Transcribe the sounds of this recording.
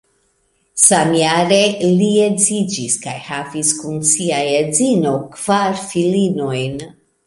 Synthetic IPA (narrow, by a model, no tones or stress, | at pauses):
samjaɾe̞lied͡zid͡ʒiskajhaviskunsiajezino̞kv̥aɾfilino̞jn